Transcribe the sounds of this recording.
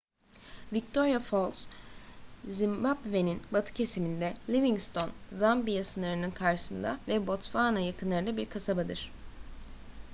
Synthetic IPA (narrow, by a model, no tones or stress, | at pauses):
vict̪ʰo̞ɾjafo̞lˠs | zimbabve̞ninbat̪ʰɯ̥cʰe̞simind̪ɛlʲiviŋst̪ʰo̞nzambijasɯnˠaɾɯnɯnkʰaɾʃɯ̥sɯnd̪avɛbo̞t̪faːnajakɯnlˠaɾɯd̪abiɾkʰasabad̪ɯɾ̥